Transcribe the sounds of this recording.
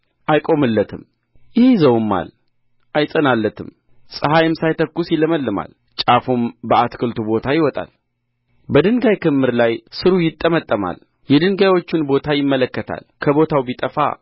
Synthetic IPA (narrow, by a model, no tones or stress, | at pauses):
ʔajkʼo̞mɨlːət̪ʰɨm | jɪhzəwɨmːa̰l | ʔajsʼənalːət̪ʰɨm | sʼɨɦajɨmsajt̪əkːusjɪləməlːɨma̰l | t͡ʃʼafumbəat̪kʰɨlt̪ʰubo̞t̪ʰajɪwɔt̪ʼa̰l | bəd̪ɨŋɡajkɨmːɨɾlajsɨɾujɪt̪ʼːəmət̪ʼːəma̰l | jɛd̪ɨŋɡajwo̞t͡ʃːɪnbo̞t̪ʰajɪmːələkːət̪ʰa̰lkʰəβo̞t̪ʰawbit̪ʼəfa̰